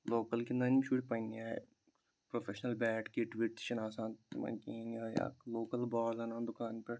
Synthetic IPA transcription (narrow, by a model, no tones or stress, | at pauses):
loːkəlkinɐnmʃuʈpɐniaːḛ | pɾofʰeʃnɐlbɛːʈkiʈʋiʈʃɐnaːsãːnmɐ̰̃kiːnaːja̰ːloːkɐlbɔːɾzɐnãːnd̪ʊkaːnpɐɾ